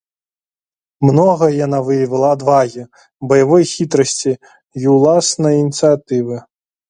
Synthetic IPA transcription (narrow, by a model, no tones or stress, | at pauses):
mnɔɣɐjanavɨjɐvɐlˠɐːd̪vaɣʲi | bɐjavɔjxʲit̪ɾɐsʲt͡sʲi | iwlˠasnɐjinʲit̪sɨjat̪ɨvɨ